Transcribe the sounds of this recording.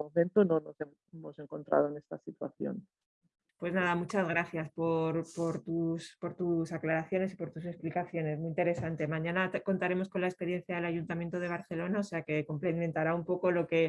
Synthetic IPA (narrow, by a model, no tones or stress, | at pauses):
omẽnt̪ononose | emose̞ŋko̞nt̪ɾa̰ð̞oene̞st̪asit̪wa̰θjo̰n | pwe̞znaðamut͡ʃazɣ̞ɾaθjaspo̞ɾpo̞ɾt̪uspo̞ɾt̪usaklaɾaθjo̞ne̞sipo̞ɾt̪use̞splikaθjo̞ne̞zmuint̪e̞ɾe̞sant̪e̞mãɲãnako̞nt̪aɾe̞mo̞sko̞nlaespe̞ɾje̞n̟θjaðe̞laʝunt̪amje̞nt̪oðe̞β̞aɾθe̞lo̞nao̞se̞ake̞ko̞mplemẽnt̪aɾaumpo̞ko̞lo̞ke̞